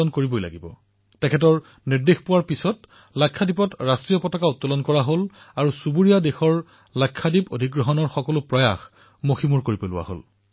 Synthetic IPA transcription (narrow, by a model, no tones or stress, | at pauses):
ɔnkoɹibojla̰ɡibɔ̰ | tɛkʰɛt̬ɔɹ | niɹdexpʊwaɹpisɔt | lakʰːadipɔtɹastɹijɔpɔtɔkautːɔlɔnkɔɹaɦol | aɹusubuɹijadexɔɹ | lakʰːadipodʱikɡɹɔɦɔnɔɹxɔkɔlʊpɹɔja̰x | moximuɹkoɹipelʊ̰wa̰ɦo̰l